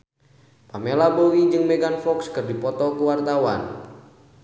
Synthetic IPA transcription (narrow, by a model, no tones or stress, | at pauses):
pamelabowid͡ʒɨŋmɛɡanfɔkskɨrdipɔt̪ɔkuwart̪awan